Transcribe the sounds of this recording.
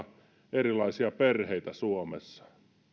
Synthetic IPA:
erilˑɑisiɑperheit̪æsuomḛsːɑ̥

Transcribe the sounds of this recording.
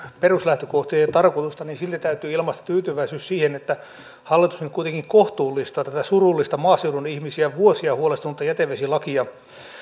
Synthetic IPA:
peruslæht̪økoht̪iɑjɑt̪ɑrkot̪ust̪ɑniːnsilt̪it̪æyt̪yːilmɑst̪ɑ̥t̪yːt̪yʋæisyːssiːhenet̪ːæ | hɑlːit̪usnyt̪kuit̪eŋkiŋkoht̪uːlːˑist̪ɑt̪æt̪æsurulːist̪ɑmɑːseudunihmisiæʋuosiɑhuolest̪ɑmut̪ːɑjæt̪eʋʋesilɑkiɑ

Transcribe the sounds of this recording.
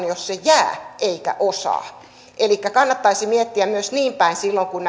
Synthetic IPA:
njossejæːʔeikæ̰ʔosɑ̰ː | ʔelikːækɑnːɑt̪ːɑisimiet̪ːiæmyøsniːmpæinsilːoŋkun

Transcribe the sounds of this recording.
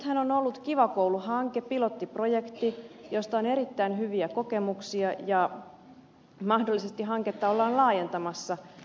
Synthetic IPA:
t̪hænonolːut̪kiʋɑkowluɦɑŋkepilo̞t̪ːiprojekt̪ijo̞st̪ɑone̞ɾit̪ːæinɦyʋiæko̞ke̞muksiɑjɑ | mɑhdolːisest̪iɦɑŋket̪ːɑolːɑːnlɑːje̞nt̪ɑmɑsːɑ

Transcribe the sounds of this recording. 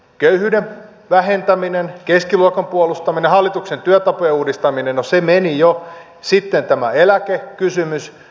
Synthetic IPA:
køyhyːdem | ʋæɦent̪æminenkeskiluɑkɑmpuolust̪ɑminehɑlːit̪uksent̪yøt̪ɑpojeuːdist̪ɑminennosemenijo | sit̪ːent̪æmæelækekysymys

